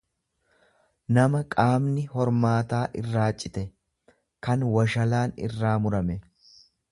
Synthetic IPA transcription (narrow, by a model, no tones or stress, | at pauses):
nɐmɐkʼaːmnɪhɔɾmaːt̪aːʔɪrːaːt͡ʃʼːɪt̪ɛ | kɐnwɐʃɐlaːnɪ̰rːaːmʊɾɐmɛ